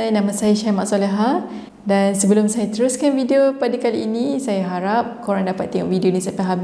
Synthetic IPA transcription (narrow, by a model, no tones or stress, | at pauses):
ajnãmãsajaʃamãʔsolɛɦa | dansəbəlʊmsajat̪əɾʊskanfidiopadakaliːnĩsajaɦaɾap̚koɾaŋdapat̪ːɛŋɔ̰ʔvidionĩsapaɦab